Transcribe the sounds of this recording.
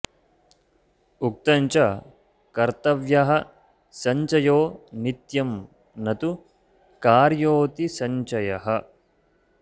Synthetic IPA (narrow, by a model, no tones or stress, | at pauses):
uk̚t̪ɐɲt͡ʃɐ | kɐɾt̪ɐʋjɐɦɐ | sɐɲt͡ʃɐjoːnit̪jɐm | nɐt̪u | kaːɾjoːt̪isɐɲt͡ʃɐjɐɦɐ